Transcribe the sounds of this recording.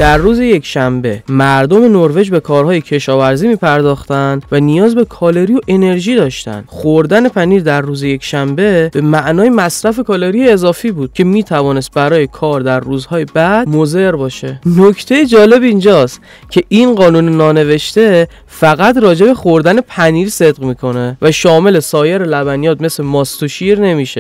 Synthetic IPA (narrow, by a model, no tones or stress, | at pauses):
d̪̥æɾːuːzeje̞cʃæmbe̞mæɾd̪ome̞noɾve̞d͡ʒbe̞kʰɒːɾhɒːje̞cʰe̞ʃɒːvæɾziːmiːpʰæɾd̪ɒːxt̪ænd̪vænijɒːzbe̞kʰɒːle̞ɾijoʔe̞ne̞ɾʒiːd̪ɒːʃt̪æ̰n̥χoɾd̪æne̞pʰæniːɾd̪æɾːuːzeje̞cʃæmbe̞be̞mæʔnɒːjemæsɾæfe̞kʰɒːleɾijeːzɒːfiːbuːd̪̥̚cʲʰe̞miːt̪ʰævɒːne̞st̪̚bæɾɒːje̞kʰɒːɾd̪æɾːuːzhɒːjebæd̪̚moze̞ɾbɒːʃe̞nocʰt̪ʰe̞jed͡ʒɒːle̞bind͡ʒɒːst̪ | cʲʰe̞ʔinɢɒːnuːnenɒːne̞ve̞ʃt̪e̞ | fæɣæt̪rɒːd͡ʒe̞be̞xo̞ɾd̪æne̞pʰæniːɾse̞d̪ʁmiːkʰo̞ne̞væʃɒːme̞le̞sɒːjeɾelæbænijɒːd̪̚me̞slemɒːst̪oʃiːɾne̞miʃe̞